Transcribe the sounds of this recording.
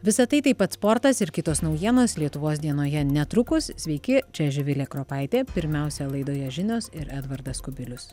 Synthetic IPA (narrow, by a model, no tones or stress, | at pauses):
ʋʲɪsɐt̪ɐɪt̪ɐɪpɐt̪spoɾt̪ɐsɪɾkʲɪt̪oːsnɒʊjiɛnoːslʲiɛt̪ʊʋoːs̬d̪ʲiɛnoːjɛnʲɛt̪ɾʊkʊssʲʋʲɛɪkʲɪt͡ʃʲɛʒʲɪʋʲɪlʲeːkɾoːpɐɪt̪ʲeːpʲɪɾʲmʲɛˑʊsʲɛlˠɐɪd̪oːjɛʒʲɪnʲoːsɪɾʔæd̪ʋɐɾd̪ɐskʊbʲɪlʲʊs